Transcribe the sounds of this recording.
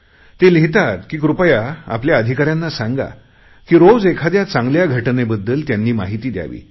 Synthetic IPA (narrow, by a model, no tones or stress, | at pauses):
t̪eliɦit̪at̪kiːkɾupəjaa̰pljaəd̪ʱikaɾjanːasãŋɡa̰ | kiːɾowd͡zekʰad̪jat͡sãŋɡljaɡʱəʈnebəd̪ːəlt̪janːiːmaɦit̪iːd̪ja̰ʋḭː